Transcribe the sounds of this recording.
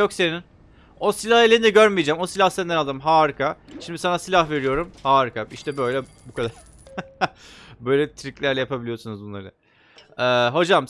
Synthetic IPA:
jokse̞nin | o̞silʲahelʲeind̪ɛɟøɾmijed͡ʒæmo̞silʲahsɛnd̪ɛnalˠd̪ɯmɦaːɾɯkʰaʃimd̪isanasilʲahve̞ɾijo̞ɾumhaːɾɯkʰaiʃt̪ʰɛbø̞jlʲɛ | bukʰad̪aɾ̥ | bø̞jlʲɛt̪ʰɾiclʲæɾlʲɛjapʰabilʲijo̞sunuzbunlˠa̰ɾɯ | ɛːɦo̞d͡ʒam

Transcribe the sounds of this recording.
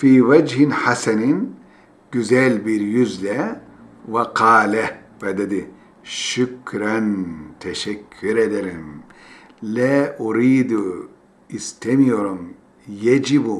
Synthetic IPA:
fiːwad͡ʒhinħasanin | ɡyzɛlbiɾjyzlɛ | waqɑːlɛbɛd̪ed̪i | ʃukɾant̪ʰɛʃɛkʰːyɾed̪eɾim | lɛʔuɾiːd̪u | ist̪ʰemijoɾum | jad͡ʒibu

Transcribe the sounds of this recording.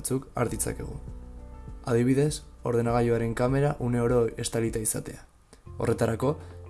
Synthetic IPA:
t͡suka̰ɾðit͡sa̰ke̞̰ɣ̞ṵ | aðiβ̞iðe̞so̞ɾð̞e̞naɣ̞ajoaɾe̞ŋkame̞ɾaʔune̞o̞ɾoe̞st̪alit̪aisa̰t̪e̞a | o̞̰re̞t̪aɾako̞

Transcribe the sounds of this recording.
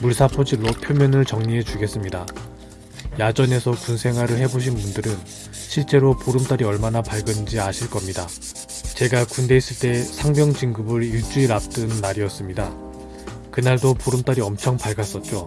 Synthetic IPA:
muɭsʰapʰod͡ʑiɭːopʰjomjʌnɯɭt͡ɕʌŋɲie̞t͡ɕuɡe̞s͈ɯmɲida | jad͡ʑʌne̞sʰʌkunsʰe̞ŋɦwaɾɯɭɦe̞boɕ̬ʰinmundɯɾɯn | ɕʰiɭt͡ɕ͈e̞ɾopoɾɯmt͈aɾiʌɭmanapaɭɡɯnd͡ʑiaɕʰiɭk͈ʌmɲida | t͡ɕe̞ɡakunde̞is͈ɯɭt͈e̞sʰaŋbjʌŋd͡ʑiŋɡɯbɯɾiɭt͡ɕ͈uiɾap̚t͈ɯnːaɾiʌs͈ɯmɲida | kɯnaɭdopoɾɯmt͈aɾiʌmt͡ɕʰʌŋpaɭɡas͈ʌt̚t͡ɕ͈o

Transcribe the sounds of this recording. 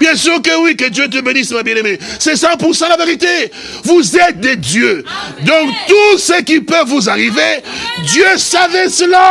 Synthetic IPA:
b̥jɛ̃syːʁkəwikəd̪jøt̪̬əbenismabjɛ̃nemesɛsɑ̃puʁsɑ̃d̪laveʁit̪e | vuzɛt̪̚d̪ed̪jød̪ɔ̃kt̪usəkipəvvuzaʁived̪jøsavɛsəla

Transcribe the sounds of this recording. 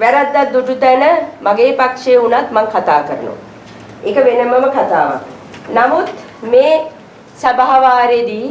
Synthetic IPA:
ʋæɾad̪ːat̪̚d̪uʈut̪ænəmaɡeːpakʂeːunat̪maŋkʰat̪aːkəɾə̰nṵ | ekəʋenəməməkat̪aːʋa̰k | namut̪ | meː | sabaɦaʋaːɾed̪iː

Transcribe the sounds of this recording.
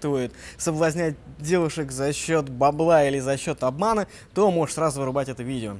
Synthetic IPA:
t̪vujɪt̪səblˠɐzʲnʲæt̚ʲdʲe̞lˠəʂɨkzɐɕːo̞t̪bɐblˠailʲɪzɐɕːo̞t̪ɐbmanə | t̪omo̞ʐəʂsɾazʊvɨɾɨbatʲɛt̪əvʲidʲɪo

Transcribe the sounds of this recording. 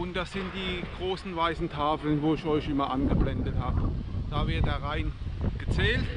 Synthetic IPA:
ʊntd̥asz̥ɪntd̥iːɡ̥ʁoːsn̩vaɪsn̩tʰaːflənvoːɪçɔʏçʔɪmɐʔanɡəblɛndəthaːbəd̥aːvɪɐt̚d̥aːʁaɪnɡ̥ət͡sɛːlt

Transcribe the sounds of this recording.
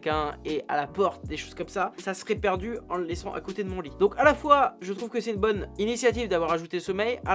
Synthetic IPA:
kɛ̃ea̰lapɔʁt̪̚d̪eʃoz̥kɔmsasasəʁɛpɛʁd̪yɑ̃ləlɛsɑ̃ʔa̰kot̪ed̪əmɔ̃lid̪ɔ̃kalafwaʒət̪χuvkəsɛt̪ynbɔninisjat̪ivd̪avwaʁaʒut̪eləsɔmɛja

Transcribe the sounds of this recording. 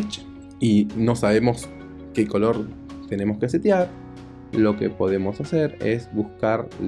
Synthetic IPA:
t͡ʃ | ino̞saβemo̞s | keko̞lo̞ɾ | t̪e̞ne̞moskeset̪jaɾ | lo̞kḛpo̞ðe̞mo̞saseɾḛzβuskaɾ

